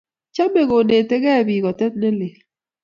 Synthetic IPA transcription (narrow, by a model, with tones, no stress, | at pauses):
t͡ʃa˦me˨ɣo˨ne˨te˦ɡɛ˦˨bi˨ɣɔ˨tɛ˦t̪̚nɛ˦le˨l